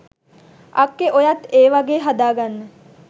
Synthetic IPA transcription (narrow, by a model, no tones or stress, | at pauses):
ɐkːeʔojat̪ːeːʋaɡeːɦad̪aːɡanːə